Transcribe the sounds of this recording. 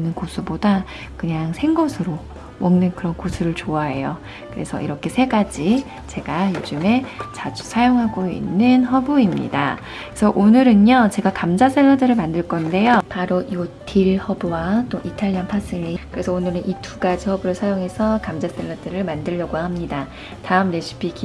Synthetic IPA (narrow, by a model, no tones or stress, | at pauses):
nɯnkosʰuboda | kɯɲaŋsʰe̞ŋɡʌsʰɯɾo | mʌŋnɯnkɯɾʌnkosʰuɾɯɭt͡ɕoaɦe̞jo | kɯɾe̞sʰʌ̰ḭɾʌkʰe̞sʰe̞ɡad͡ʑi | t͡ɕe̞ɡajod͡ʑɯme̞t͡ɕad͡ʑu̥sʰajoŋɦaɡoḭnːɯnɦʌbuimɲḭda̰ | esʰʌʔonɯɾɯnot͡ɕe̞ɡakamd͡ʑas͈ʰeɭːʌdɯɾɯɭmandɯɭk͈ʌnde̞jopaɾoiotʰiɭhʌbuwat͈oʔitʰaʎːianpʰas͈ɯʎːikɯɾe̞sʰʌonɯɾɯnʔitʰuɡad͡ʑihʌbɯɾɯɭsʰajoŋɦe̞sʰʌkamd͡ʑas͈ʰeɭːʌdɯɾɯɭmandɯʎːʌɡohamɲida | taɯmne̞ɕʰi̥pʰiki